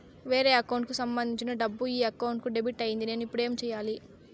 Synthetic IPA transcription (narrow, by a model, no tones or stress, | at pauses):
ʋe̞ːɾe̞ːɐkɐwɳʈkusɐmbɐnd̪iɲt͡ʃinɐɖɐbːuiːɐkːɐwɳʈ̚kuɖebiʈːɐjind̪ine̞ːnuipːuɽe̞ːmt͡ʃɛːjaːli